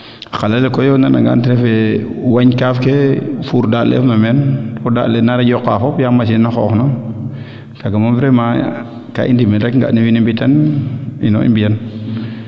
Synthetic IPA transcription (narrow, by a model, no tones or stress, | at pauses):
axalalekɔjɔnana̰ŋɡa̰ntiɾɛfɛwaɲkafkefuɾdalɛ̰fmamɛntɔda̰ːlɛnaɾaɟɔkːafɔpjamas̬inaxɔ̰ːxno | kaɡamavɾɛma | ka̰ʔindimɛɾɛkŋɡa̰niwinimbitanḭno̰ḭmbijan